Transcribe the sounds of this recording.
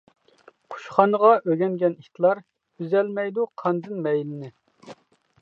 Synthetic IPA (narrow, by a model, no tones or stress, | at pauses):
qʰu̥ʃχɑnəʁɑʔøɡʲɛnɡʲɛnit̪ʰlˠɑɾ | yzɛlmɛjd̪uqʰɑnd̪ɨnmɛjlɪnɪ